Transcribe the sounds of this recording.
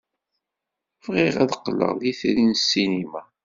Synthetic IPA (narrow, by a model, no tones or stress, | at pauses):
fʁɪʁæðəqːlːə̰ʁðiθɾinsːinima